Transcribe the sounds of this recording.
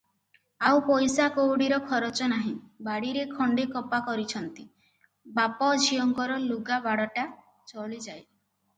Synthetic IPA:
awpɔjsakowɽiɾɔkʰɔɾɔt͡ʃɔnaɦĩbaɽiɾekʰɔɳɖekɔpakɔɾit͡ʃʰɔnt̪i | bapɔd͡ʒʱijɔŋkɔɾɔluɡabaɽɔʈa | t͡ʃɔɭid͡ʒaj

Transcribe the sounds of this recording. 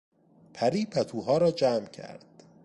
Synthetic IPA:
pʰæɾiːpʰæt̪ʰuːɦɒːɾɒːd͡ʒæːmcʰæ̰ɾd̪̥

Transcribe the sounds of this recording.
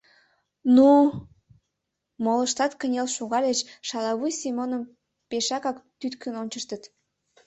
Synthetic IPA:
nu | moləʃt̪ɑt̪kənʲelʃuɣɑlʲet͡ɕʃɑlɑβujsimonəm | peʃɑkɑkt̪yt̪kʰənonʲt͡ɕəʃt̪ət̪

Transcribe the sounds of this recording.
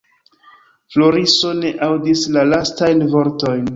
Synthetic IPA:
flo̞ɾiso̞ne̞ʔawdislalastajnvo̞ɾto̞jn

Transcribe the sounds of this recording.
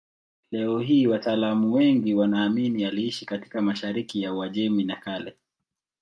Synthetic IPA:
lɛɔɦiːwataːlamuwɛŋɡiwanaːminialiiʃikati̥kamaʃaɾikijauaʄɛminakalɛ

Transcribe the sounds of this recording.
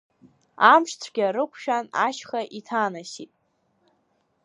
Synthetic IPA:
amʂt͡sʷʰɡʲaɾɨkʷʰʃᶣanaʃχaʔitʰaːnasitʼ

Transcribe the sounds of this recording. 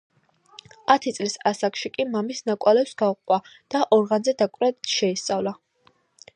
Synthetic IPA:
at̪ʰit̪sʼlisasakʃikʼimamisnakʼalɛpsɡauqʼwad̪̥aʔɔɾʁanzɛd̪akʼɾɛʃɛist̪sʼavla

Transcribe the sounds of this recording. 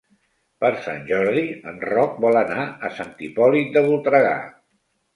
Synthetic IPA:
pəɾsanʒɔɾðiənrɔk̚bɔlənaəsant̪ipɔlit̪̚d̪əβulˠt̪ɾəɣa̰

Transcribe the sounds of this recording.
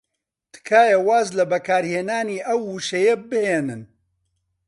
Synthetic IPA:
t̪ʰɨ̥kʰaːjɐwaːzlɐbɐkʰaːɾheːnaːniːʔɐwːuʃɐjɐbɨheːnɨn

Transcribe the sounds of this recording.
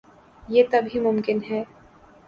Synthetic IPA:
jeːt̪ɐbɦimʊmkɪnɦɛː

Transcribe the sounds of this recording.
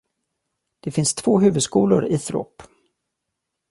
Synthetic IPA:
d̪̥ɛfɪnst̪ʰv̥oːɦʉ̟ːvɵd̪skuːlʊ̰ɾɪθɾo̰ːp

